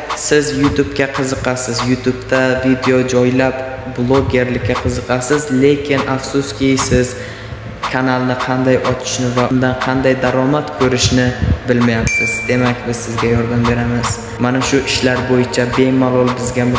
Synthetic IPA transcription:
sɪzjʊt̪ʰubkʲaqʰɨzɨqʰɑsɪzjʊt̪ʰubt̪ʰavid̪e̞od͡ʒɒjlap | blˠoɡʲe̞ɾlɪkʲːaqʰɨzɨqʰɑsɪzle̞kʲʰɪnafsʊskʲɪsɪz | kʰanalˠnɪqʰɑnd̪ajʔɒt͡ʃʰɪ̥ʃnɪvaʊnd̪anqʰɑnd̪ajd̪aɾɒmat̪kʰɵɾɪʃnɪbɪlmajapsɪzd̪e̞makʲbɪz̥sɪzɡʲajɒɾd̪ambe̞ɾamɪz̥ | manaʃʊʔɪʃlaɾbojɪt͡ʃʰabe̞malˠɒlˠbɪzɡʲam

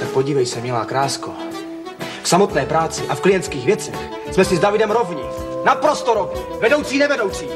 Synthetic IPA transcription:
t̪ak̚po̞ɟiːvɛjsɛmɪlaːkɾaːsko | ksamo̞t̪nɛːpɾaːt͡sɪʔafklɪjɛnt̪skiːɣvjɛt͡sɛx | smɛsɪzdavɪdɛmɾovɲɛ | napɾost̪oɾovɲɛ | vɛdo̞wt͡siːnɛvɛdowt͡siː

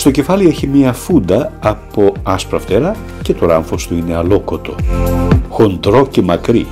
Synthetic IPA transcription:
st̪o̞ce̞fɐlieçimiɐfund̪ɐɐpo̞ɐspɾɐft̪e̞ɾɐ | ce̞t̪oɾɐɱfost̪uine̞ɐlokot̪o̞ | xo̞nd̪ɾo̞cemɐkɾḭ

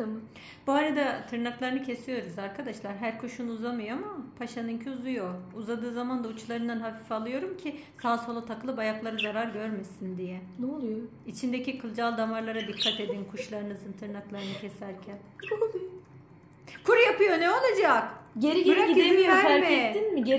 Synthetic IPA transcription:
m | b̥uaɾad̪at̪ʰɯɾnaklˠaɾɯnɯcʰe̞sijo̞ɾuzaɾkʰad̪aʃlˠaɾɦæɾkʰoʃunuuzamɯjoamapʰaʃanɯncʰyuzujouzad̪ɯːzamand̪aut͡ʃʰlˠaɾɯnd̪anɦafifalˠɯjo̞ɾumcʰisaːsho̞lˠat̪ʰakɯlˠɯbajaklˠaɾɯzaɾaɾɟøɾmesind̪ijɛnolˠujo | it͡ʃʰind̪ecikʰɯlˠd͡ʒalˠd̪amaɾlˠaɾad̪ikʰːat̪e̞d̪inkʰuʃlˠaɾɯnɯzɯnt̪ʰɯɾnaklˠaɾɯnɯcʰe̞sæɾcʰæn | kʰuɾjapɯjo̞neo̞lˠad͡ʒakɟeɾiɡɾaimiaɛiinmɪ

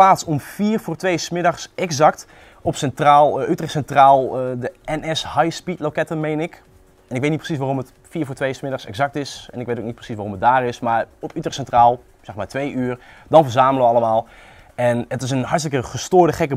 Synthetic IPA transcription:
aːtsɔmfiːrvʊːɹtʋejsmɪdaxsɛkzakt | ɔpsɛntraːlˠʔytrɛsɛntraːlˠədəɛnɛshajspitlokɛtəmejnɪk | ɛnɪk̬̚ʋetnitprəsis̬ʋaːromət | fiːɹvʊːɹtʋejsmɪdaxsɛ̰ɡzak̚tɪsɛnɪkʋetoːk̚nit̚prə̥sisʋaːromət̚daːɾɪsmaːɹɔpytrɛsɛntraːlˠ | sɛxmaːɹtʋejyərdɔnfəɹzaːmləʋəɑləmaːlˠ | ɛnətɪs̬ənhɑɹtstəkəχəstoːɹdəχɛkə

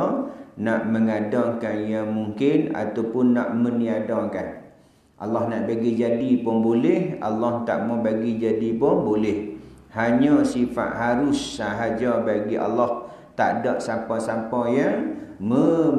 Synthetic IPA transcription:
naʔməŋadɔŋkanjaŋmuŋkɪna̰t̪awpʊnːa̰ʔməniadɔŋkan | ʔa̰lɔhnaʔbaɡid͡ʒadipɔŋbolɛha̰lːɔht̪a̰ʔmɔbaɡid͡ʒadipɔbolɛh | haɲɔ̃sifa̰ʔ̪haɾʊsːaɦad͡ʒɔbaɡiʔa̰lːɔh | t̪a̰ʔdɔʔsapɔsampɔjaŋmə

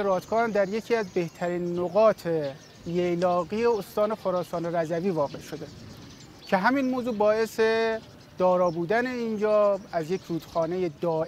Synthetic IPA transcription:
eɾɒːt̪ʰkʰɒːhæmd̪æɾje̞cʰiːæzbe̞ht̪ʰæɾiːnːoɣɒːt̪ʰe | jejlɒːɣiːeost̪ɒːne̞xoɾɒːsɒːneɾæzæviːvɒːɣe̞ʃo̞d̪e | cʰe̞ɦæminmoːzuːbɒːe̞se | d̪̥ɒːɾɒːbuːd̪æne̞iːnd͡ʒɒːæzje̞cʰɾuːd̪̥xɒːne̞je̞d̪ɒː

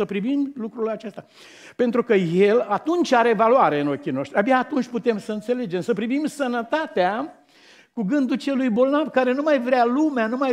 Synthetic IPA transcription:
səpɾivimlukɾulat͡ʃest̪a | pe̞nt̪ɾukəje̞lat̪unt͡ʃʲaɾe̞valuaɾe̞ɨno̞kʲino̞ʃt̪ɾʲiabeaːt̪unt͡ʃʲput̪e̞msəɨnt̪se̞le̞d͡ʒe̞msəpɾivimsənət̪at̪ea | kuɡɨnd̪ut͡ʃelujbo̞lnavkaɾe̞numajvɾealumeanuma

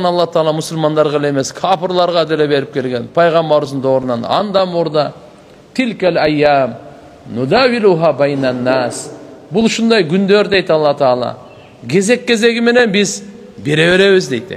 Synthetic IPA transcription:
nɑlˠːɑt̪ʰɑɑlˠɑmʊsʊlmɑnd̪ɑɾʁɑleme̞skʰapɪɾlˠɑɾʁɑd̪elebe̞ɾɪp̚kʲʰe̞lɡʲe̞npʰɑjʁɑmbɑɾuzənd̪ɑwo̞ɾnɑn̰ɑ̰nd̪ɑmoɾd̪ɑ | t̪ʰɪlkʲalajːam | nʊd̪awiluɦabajnanːasbʊlˠʃʊnd̪ɑjɡʲʰʏnd̪e̞ɾd̪e̞jt̪ɑlˠːɑt̪ʰːlˠɑ̰ | kʲʰe̞ze̞kʲːe̞ze̞ɡʲɪme̞ne̞nbɪz | be̞ɾe̞βe̞ɾe̞βɪzd̪e̞jd̪ɪ̰

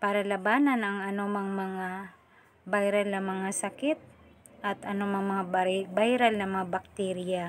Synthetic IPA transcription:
paːɾɐlɐbaːnɐnɐŋɐnomɐŋmɐŋa | bajɾɐlnɐmɐŋasɐkɪt̪̚ | ʔɐt̪ʔɐnomɐŋmɐŋabajɾɐlnɐŋmɐŋabɐk̚t̪ɛɾɪja

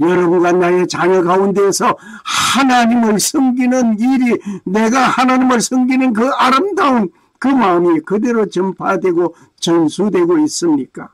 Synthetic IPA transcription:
jʌɾʌbunɡwanajet͡ɕaɲʌɡaundeːsʰʌ | hanaɲimɯɭsʰʌŋɡinɯniɾine̞ɡahanaɲimɯɭsʰʌŋɡinɯnkɯaɾɯmdaun | kɯmaɯmikɯde̞ɾot͡ɕʌmpʰadwe̞ɡo | t͡ɕʌnsʰudwe̞ɡois͈ɯmɲik͈a

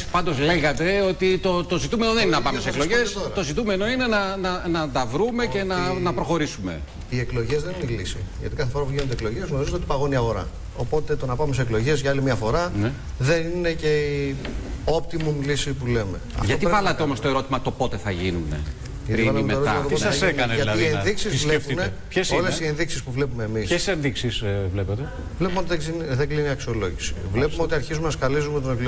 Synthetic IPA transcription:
pɐnd̪o̞zleɣɐt̪e̞o̞t̪it̪o̞t̪o̞zit̪ume̞no̞ðeninenɐpɐmesekloʝesoɾt̪o̞zit̪umeno̞inenɐnɐnɐd̪ɐvɾume̞ce̞nɐnɐpɾo̞xo̞ɾisume̞̰ | ieklo̞ʝezðenunilisiʝɐ̰t̪ikɐθefoɾɐpuʝinod̪eklo̞ʝe̞zɣno̞ɾizunot̪ipɐɣo̞niɐɣo̞ɾɐ̰ | o̞po̞t̪e̞t̪o̞nɐpɐmes̬klo̞ʝe̞zʝɐɐlimiɐfo̞ɾɐne | ðe̞nine̞ce̞i | o̞p̚t̪imumlisipuleme̞ɐ̰tʝɐtot̪ivɐlɐt̪eomost̪oeɾo̞t̪imɐt̪o̞pot̪e̞θɐʝinunḛ | ʝɐtt̪ivɐlɐmetoɾoimɐt̪ooseɐɐʝienɐtnɐienðiksizvlepune | pçesolesienðiksispuvle̞pumeːmissenðiksisvlepet̪e | vlepumeot̪iðinðeɡliniɐksio̞lo̞ʝisi̥̰vle̞pumeo̞t̪iɐɾçizumenɐskɐlizumet̪oneklo

